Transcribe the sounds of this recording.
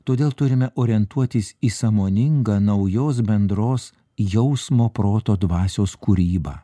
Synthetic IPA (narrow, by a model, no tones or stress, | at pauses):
t̪oːd̪ʲeːlˠt̪ʊɾʲɪmʲɛʔoːɾʲɪɛnt̪uɔt̪ʲɪsiːsɑːmoːnʲɪŋɡɐːnɐʊjoːs̬bʲɛnd̪ɾoːs | jɛʊsmoːpɾoːt̪oːd̪ʋɑːsʲoːskuɾʲiːbɑ̰ː